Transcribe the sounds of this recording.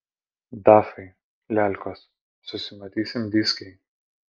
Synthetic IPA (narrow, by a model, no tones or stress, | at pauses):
d̪ɑfɐɪ | lʲælʲkos | sʊsʲɪmɐt̪ʲiːsʲɪmd̪ʲisʲkʲɛɪ